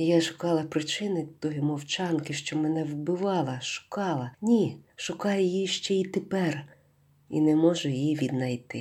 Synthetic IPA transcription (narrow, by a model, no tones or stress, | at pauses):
jaʃʊ̥kɑlˠɐpɾɪt͡ʃɪnɪt̪ɔjimɔwt͡ʃɑnkɪʃt͡ʃɔmɛnɛwbɪʋɑlˠɐʃʊ̥kɑlˠɐnʲiʃʊkɑjʊjiʃt͡ʃɛit̪epɛr | ḭnɛmɔʒʊjijiʋʲid̪nɐjt̪ɪ